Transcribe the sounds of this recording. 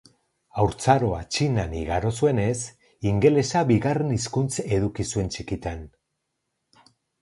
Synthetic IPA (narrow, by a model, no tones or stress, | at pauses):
awɾt͡saɾo̞at͡ʃinaniɣaɾo̞sue̞ne̞s | iŋɡe̞le̞saβiɣare̞niskunt͡se̞ðukisue̞nt͡ʃikit̪an